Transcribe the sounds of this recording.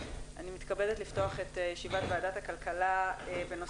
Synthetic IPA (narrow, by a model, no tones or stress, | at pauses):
ʔanimit̪kabedetlifto̞aχetjɛʃivatvaːdathakalkalaebe̞no̞